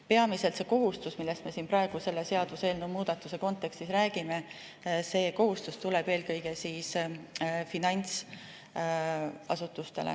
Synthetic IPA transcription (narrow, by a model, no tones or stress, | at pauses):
pe̞ɑmise̞lt̪se̞ko̞ɦust̪usmilːe̞st̪me̞siːnpɾɑeɡ̥use̞lːese̞ɑd̪̥use̞ːlnumuːd̪̥ɑt̪ːˑuse̞ko̞nt̪ːˑe̞kst̪isɾæːɡ̥ime̞ | se̞ːko̞ɦust̪ust̪uleb̥e̞ːlkɤjɡ̥e̞siːs | finɑjnʲt̪s | ɑ̰sut̪ːˑust̪e̞̰lḛ